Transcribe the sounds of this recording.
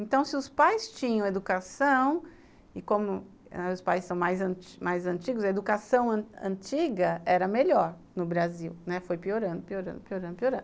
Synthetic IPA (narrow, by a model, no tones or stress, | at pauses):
ẽt̪ɐ̃w̃sɪʊspajst͡ʃĩɲɐ̃w̃ed̪ukasɐ̃w̃ | ɪkõmʊ | ɛʊspajssɐ̃w̃majzɐ̃t͡ʃmajzɐ̃nt͡ʃiɡʊzɐed̪ukasɐ̃w̃ɐ̃ɐ̰̃t͡ʃiɡɐɛɾɐmeʎɔɾ | nʊbɾaziwnɛfojpioɾɐ̃nd̪ʊpioɾɐ̃d̪ʊpioɾɐ̃nd̪ʊpioɾɐ̃d̪